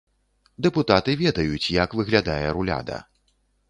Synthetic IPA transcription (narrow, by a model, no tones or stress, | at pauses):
d̪ɛput̪at̪ɨvʲɛd̪ɐjut͡sʲjakvɨɣlʲad̪ajɛɾulʲa̰d̪ɐ̰